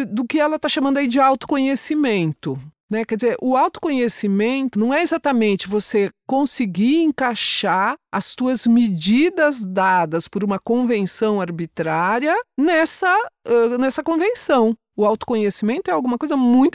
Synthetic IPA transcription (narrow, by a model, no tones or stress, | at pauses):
d̪ʊkɪɛlɐt̪aʃamɐ̃nd̪aid͡ʒɪawt̪ʊ̥kõɲesimẽnt̪ʊnɛkɛd͡ʒɪzeɾʔʊawt̪ʊ̥kõɲesimẽnt̪ʊnɐ̃w̃ɛezat̪ɐmẽnt͡ʃɪvosekõsɪɡiẽŋkaʃaɐst̪uɐzmed͡ʒid̪ɐzd̪ad̪ɐspʊɾũmɐkõvẽnsɐ̃w̃aɾbit̪ɾaɾiɐnɛsɐɛnɛsɐkõvẽsɐ̃w̃ | ʊawt̪ʊ̥kõɲesimẽnt̪ʊɛawɡũmɐkojzɐmũj̃t̪ʊ